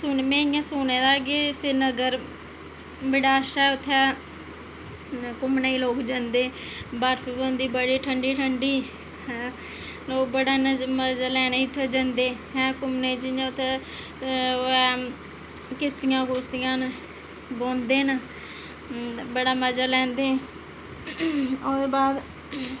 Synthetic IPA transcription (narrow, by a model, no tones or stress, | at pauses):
sʊnmẽːɪjãːsʊːneːd̪aːɡesenəɡəɾ | bɪɽaːʃɛːʊt̪ʰːɛː | kʊmneiːloːkd͡ʒənd̪eːbaːɾfʰbond̪iːbəɽiːʈʰəɳɖiːʈʰəɳɖiː | loːkbəɽaːnəməd͡ʒalɛːneit̪ʰːeːd͡ʒənd̪eːɦɛ̃ːkʊmneid͡ʒɪjãːʊt̪ʰːeː | ɛ | kɪst̪ɪjãːkoːst̪ɪjãːn | bõːnd̪eːn | bəɽaːməd͡ʒaːlɛ̃ːnd̪eː | od̪eːbaːd̪